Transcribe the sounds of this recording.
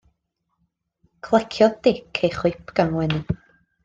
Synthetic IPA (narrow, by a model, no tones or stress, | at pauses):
kʰlˠɛkʰjɔd̥ɪkʰejχʊjpʰɡanwɛnɪn